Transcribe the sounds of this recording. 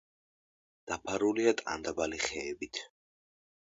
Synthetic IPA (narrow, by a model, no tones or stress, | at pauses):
d̪̥apʰaɾuliat̪ʼa̰nd̪abaliχɛːbit̪ʰ